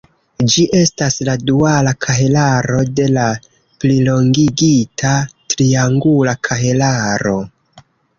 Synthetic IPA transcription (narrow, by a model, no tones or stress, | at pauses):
d͡ʒiʔe̞stasladualakʰaɦelaɾo̞de̞la | plilo̞ŋɡiɡitʰatɾiaŋɡulakʰaɦelaɾo̞